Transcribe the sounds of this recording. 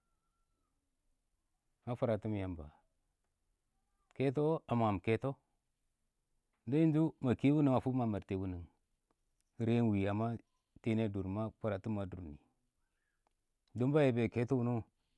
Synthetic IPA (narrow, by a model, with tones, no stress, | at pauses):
ma˦fu˦˨ɾa˨tu˦m˨ja˨mba̰˨ | ke˦t̬o˦a˨ma˨m˨ke˦to˦ | nda˦i˦n˦d͡ʒu˦ma˨ki˦wu˦ni˦ŋa˨fu˦ma˨ma˨ɾte˨wu˦ni˨ŋ˨ | ɾe˦n˦wi˨a˨ma˦ | te˦ne˦du˨ɾma˦fu˨ɾa˨tu˦mːa˨dṵ˨ɾnḭ˨ | du˦mba˦je˨be˨ke˦to˦wu˨˦nu˦